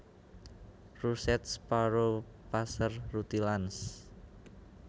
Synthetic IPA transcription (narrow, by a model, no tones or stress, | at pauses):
rusɛt̪spaɾo | pasərrut̪ilans